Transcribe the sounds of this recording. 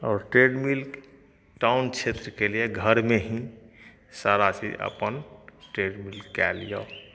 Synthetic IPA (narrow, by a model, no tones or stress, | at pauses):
ɔːɾʈɾeɖmilk | ʈaunt͡ʃʰet̪ɾəkelijeɡʱəɾmeɦĩ | saɾasḭʔə̰pənʈɾeɖmilkːɛlijo̰